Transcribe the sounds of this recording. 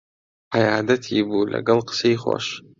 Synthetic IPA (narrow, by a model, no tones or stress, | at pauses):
ajaːdatʰibulʲa̰ɡalqʼsejχʷa̰ʃ